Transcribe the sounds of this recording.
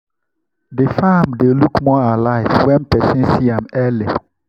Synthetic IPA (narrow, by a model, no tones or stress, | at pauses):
dɪfamdelukmɔalaɪvwɛ̃npʰɛsĩnsiãmɛle